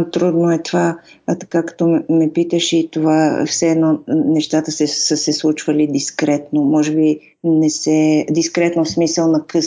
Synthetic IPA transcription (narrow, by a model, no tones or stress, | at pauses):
t̪ɾud̪noɛt̪ovat̪ɐ̥kakɐ̥t̪ɔmmɛpit̪əʃit̪ova̰fsɛɛd̪nɔnɛʃt̪at̪əsɛsəsɛslˠut͡ʃvɐlid̪iskɾɛt̪nomɔʒɛbi | nɛsɛd̪iskɾɛt̪nofsmisəlˠnɐkɤ